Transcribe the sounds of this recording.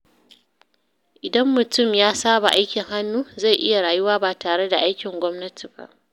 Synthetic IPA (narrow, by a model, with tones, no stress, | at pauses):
ʔɪ˨dɐ˦mːʊ˨tʊ˦mjaː˦saː˦ba˨ʔa˦jkʲɪ˨ŋɦa˦nːuː˦za˦˨jʔɪ˦ja˨ɽaː˨jʊ˦waː˦baː˨taː˨ɽe˦da˨ʔa˦jkʲɪ˨ŋɡʷɔ˦mnɐ˦tʰi˨ba̰˦˨ʔ